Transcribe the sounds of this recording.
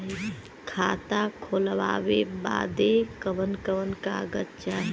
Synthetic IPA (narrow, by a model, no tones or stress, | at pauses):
kʰaːt̪akʰoːlʋa̰ːʋeba̰ːd̪ekəʋənkəʋənkaɡətt͡ʃaːɦ